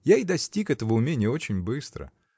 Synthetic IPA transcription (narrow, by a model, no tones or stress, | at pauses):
jaɪd̪ɐsʲtʲikɛt̪əvəʊmʲenʲɪjəo̞t͡ɕɪnʲbɨst̪ɾə̰